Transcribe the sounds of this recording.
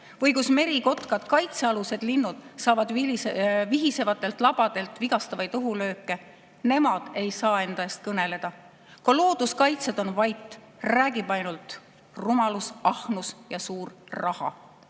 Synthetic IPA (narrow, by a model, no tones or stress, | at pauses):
vɤjɡusme̞ɾiko̞t̪kɑd̪̥kɑjt̪seɑluse̞d̪̥linːud̪̥sɑːvɑd̪iviɦise̞vɑt̪ːˑe̞lt̪ˑlɑb̥ɑd̪̥e̞lt̪viɡ̥ɑst̪ɑvɑjt̪uɦulø̞ːkːˑe̞ | ne̞mɑd̪̥e̞jsɑːe̞nd̪ɑjest̪̚kɤne̞le̞d̪̥ɑ | kɑlo̞ːd̪̥uskɑjt̪sed̪o̞nvɑjt̪ːˑ | ræːɡib̥ɑjnult̪ | rumɑlusɑhnusjɑsuːrrɑhɑ̰